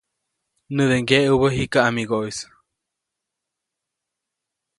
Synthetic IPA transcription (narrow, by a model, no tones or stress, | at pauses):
nɨðeŋɡeʔuβəɦikaamiɡois